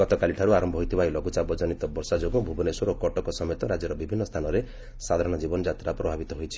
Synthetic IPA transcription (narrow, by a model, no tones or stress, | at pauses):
ɔt̪ɔkaliʈʰaɾuaɾɔmbʱɔɦojt̪ʰibajlɔɡut͡ʃabɔd͡ʒɔnit̪ɔbɔɾsad͡ʒoɡubʱubɔnesɔɾɔkɔʈɔkɔsɔmjet̪ɔɾad͡ʒjɔɾɔbibʱinːɔst̪ʰanɔɾe | sad̪ʱaɾɔɽ̃ɔd͡ʒibɔnɔd͡ʒat̪ɾapɾɔbʱabit̪ɔɦojt͡ʃʰi̥